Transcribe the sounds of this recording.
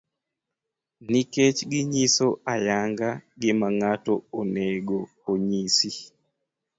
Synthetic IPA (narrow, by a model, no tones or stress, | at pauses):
niket͡ʃɡɪɲisoajaŋɡaɡɪmaŋatooneɡoː | ɲisi